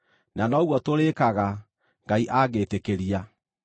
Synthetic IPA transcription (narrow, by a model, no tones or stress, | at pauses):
nanɔɣwɔtoɾekaɣa | ŋɡaiʔaɣeːtekeɾia